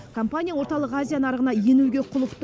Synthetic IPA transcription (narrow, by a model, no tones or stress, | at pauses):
kʰompanʲijawo̞ɾt̪ɑlˠəqazʲijanɑɾəʁənɑje̞nuɡʲe̞qʰʊlˠəqt̪